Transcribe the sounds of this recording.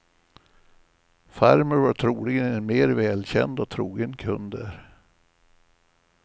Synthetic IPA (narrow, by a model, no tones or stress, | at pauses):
fæɾməɾvaʈʰɾuːlɪɡənɛnmeːɾvɛːlɕɛ̰nd̪ɔt̪ʰɾṵːɡənkʰɵ̰nd̪əɾ